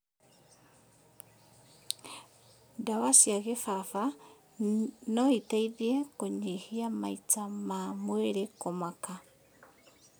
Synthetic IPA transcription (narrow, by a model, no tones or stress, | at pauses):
ndawasiaɣefafa | nɔitaiðiekoɲehiama̰it͡samamweɾekomaka